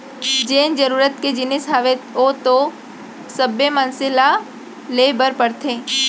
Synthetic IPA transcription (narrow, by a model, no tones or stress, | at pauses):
d͡ʒeːnd͡ʒəɾuːɾət̪ked͡ʒɪnɪsɦaːʋet̪oːt̪o | səbːemənsɪla | leːbəɾpəɾt̪ʰẽː